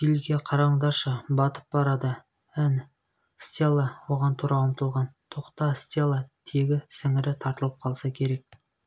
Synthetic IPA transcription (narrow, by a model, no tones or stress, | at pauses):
t̪ilɡʲe̞qʰɑɾɑɴd̪ɑʃəbɑt̪ə̥p̚bɑɾɑd̪ə | æn | st̪ʲelˠəwo̞ʁɑnt̪ʰuɾʔɑəmt̪əlˠʁɑnt̪ʰoqt̪ɑst̪elˠɑt̪ʰe̞ɡʲɪsɪŋɪɾɪt̪ʰɑɾt̪əlˠəp̚qʰɑlˠsɑkʲʰe̞ɾe̞k̚